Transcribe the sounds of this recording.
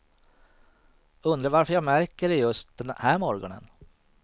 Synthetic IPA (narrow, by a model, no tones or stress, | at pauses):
ɵnd̪ɾavaɾfœjɑːɡmæɾkəɾɪjɵst̪̚d̪̥ɛnhæːɾmɔɾɡɔnə̰n